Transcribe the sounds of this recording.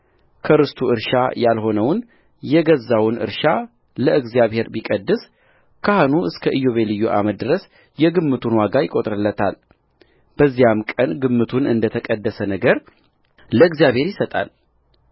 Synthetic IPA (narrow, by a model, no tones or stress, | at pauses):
kʰəɾɨst̪ʰuɨɾʃajalho̞nəwn | jɛɡəzːawnʔɨ̰ɾʃa | ləɨɡzijaβhe̞ɾbikʼəd̪ːɨs | kʰahanuɨskʰəʔɨjoβelɨjːuʔa̰məd̪ɨɾəs | jɛɡɨmːɨt̪ʰunwaɡajɪkʼot̪ʼɾɨlːət̪ʰal | b̥əzːijamkʼənɡɨmːɨt̪ʰunɨnd̪ət̪ʰəkʼəd̪ːəsənəɡəɾ | ləɨɡzjaβhe̞ɾjɪsət̪ʼa̰l